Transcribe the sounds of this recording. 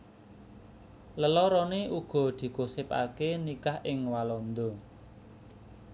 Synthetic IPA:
ləlɔɾɔneʔuɡ̥ɔ̤d̪̥i̤ɡ̥osɪpa̰kenikahɪŋwalɔnd̪ɔ

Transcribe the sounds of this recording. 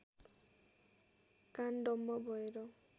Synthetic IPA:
kanɖɔmːɔbɔjɾɔ

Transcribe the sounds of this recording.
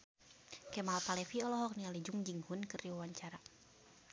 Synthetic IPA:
kɛmalpalɛfiɔlɔɦɔk̚nialid͡ʒuŋd͡ʒiŋhunkɨrdiwawaɲt͡ʃaɾa

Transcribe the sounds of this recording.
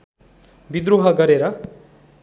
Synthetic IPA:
bid̪ɾuɦʌɡʌɾeɾʌ

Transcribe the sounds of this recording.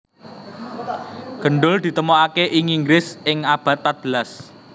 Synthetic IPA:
ɡ̥ə̤ɳɖʊld̪̥i̤t̪əmoakeʔiŋiŋɡɾɪsɪŋab̥ä̤t̪̚ːat̪̚b̥əlas

